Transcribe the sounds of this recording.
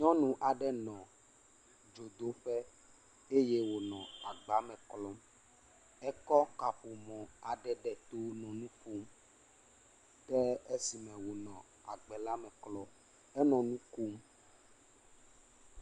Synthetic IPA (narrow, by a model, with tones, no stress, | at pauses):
ɲɔ̃˦nũ˨ʔa˨ɖɛ˦nɔ̃˨ | d͡ʒo˨d̪o˦ɸɛ˦ | e˦je˦wo˨nɔ̃˨a˨ɡ͡ba˨˦mɛ̃˨klɔ˦m | ɛ˦kɔ˦ka˨ɸu˨mɔ̃˨a˨ɖɛ˨ɖɛ˨t̪o˦nɔ̃˨nũ˦fu˦m | ɖɛ˦e˦si˨mɛ̃˨wo˨nɔ̃˨ | a˨ɡ͡bɛ˨la˦mɛ̃˨klɔ˦ | ɛ˦nɔ̃˨nũ˦ku˦m